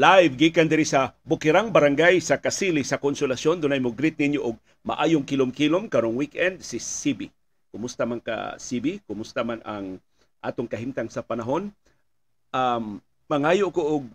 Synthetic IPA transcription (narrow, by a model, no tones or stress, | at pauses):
lajvɡikand̪ɪɾɪsɐbʊkɪɾaŋbɐɾaŋɡajsɐkasilɪsɐkonsolasjond̪ʊnajmʊɡɾɪt̪̚nɪɲjoʔʊɡ̚ | mɐ̰ʔaːjʊŋkilomkilomkɐɾoŋwikʔɛnd̪̚sɪsibi | kʊmʊst̪amanka̰sibikʊmʊst̪amana̰ŋ | ʔa̰ːt̪oŋkɐɦimt̪aŋsɐpɐnaɦo̞n | ʔamː | ɐŋaːjoʔkoʔʊɡ̚